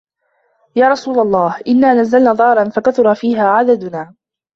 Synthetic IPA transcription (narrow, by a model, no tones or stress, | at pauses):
jaːɾˤɑsuːlalˤːɑːhʔɪnːaːnazːalnaːðˤɑːɾˤɑnfakaθʊɾˤɑfiːɦaːʕad̪ad̪ʊnaː